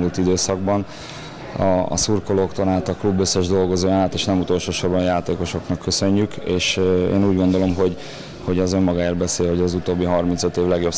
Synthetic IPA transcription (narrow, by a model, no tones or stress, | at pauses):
mult̪id̪øːsɒɡbɒn | ɒ̰suːrkoloːkt̪onaːt̪ɒklubːøsːɛʒd̪o̞lɡo̞zoːjnaːt̪eːʃnɛmut̪o̞lʃoːʃobːɒnjaːt̪eːko̞ʃo̞knɒkːøsø̞ɲːykeːʃḛːnuːɟɡo̞nd̪o̞lo̞mɦo̞ɟ | ho̞ɟɒzø̞mːɒɡaːjilbɛseːlho̞ɟɒzut̪oːbːiɦɒrminsøt̪ːeːvlɛɡjo̞p